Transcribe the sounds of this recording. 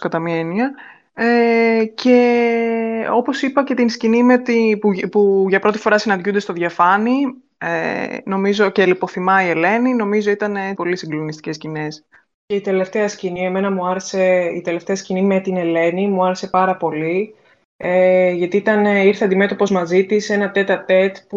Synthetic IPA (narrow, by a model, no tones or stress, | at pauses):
skɐt̪ɐmiɐeniɐ | ece̞ | o̞po̞sipɐce̞t̪inscinimet̪ipupuʝɐpɾo̞t̪i̥fo̞ɾɐsinɐnd̪ʝund̪est̪oðʝɐfɐni | eno̞mizo̞celipo̞θimɐiele̞nino̞mizo̞it̪ɐnepo̞lisiŋɡlo̞nist̪i̥ce̞scine̞s | ce̞it̪e̞le̞ft̪eɐscinie̞me̞nɐmuɐɾe̞se̞ḭt̪e̞le̞ft̪eɐscinimet̪ine̞le̞nimuɐɾe̞se̞pɐɾɐpo̞li | eʝɐt̪iit̪ɐneiɾθeɐnd̪ime̞t̪opo̞zmɐzit̪ise̞nɐt̪e̞t̪ɐɾt̪e̞t̪pu